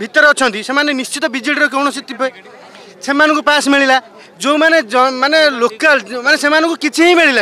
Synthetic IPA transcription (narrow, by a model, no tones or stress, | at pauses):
bʱit̪ːɔɾʌt͡sʰʌ̃nt̪isemanenist͡ʃit̪ɔbid͡ʒiɽɾɔk̬ewñʌsit̪ːipʰʌj | sʰemanukopasmeɭila | d͡zomanemanelokːalmanesemanukokit͡sʰiẽmeɭila